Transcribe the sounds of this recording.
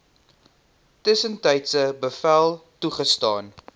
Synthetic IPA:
təsəntəjtsəbəfælˠtuχəstɑːn

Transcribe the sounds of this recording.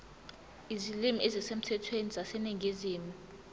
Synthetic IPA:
izilimiʔɛzisem̩tʰɛtʰwenizasɛniŋʱiziːmu

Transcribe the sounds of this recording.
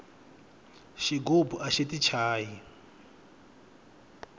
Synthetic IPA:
ʃiɡobuʔaʃitit͡ʃʰaːji

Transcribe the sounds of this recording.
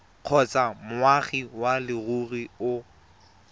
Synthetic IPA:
q͡χʰɔt͡sʼamʊaχiwalɪruriʊ

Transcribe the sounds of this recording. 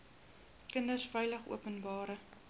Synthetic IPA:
kəndərsfœjləχṵəpənbɑːɾə

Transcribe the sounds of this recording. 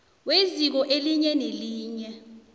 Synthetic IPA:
wezik̬ɔʔeliɲɛneliːɲɛ

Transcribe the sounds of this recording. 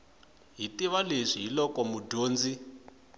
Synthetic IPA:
ɦitiβaleʂiɦilɔkɔmudoːnd͡zi

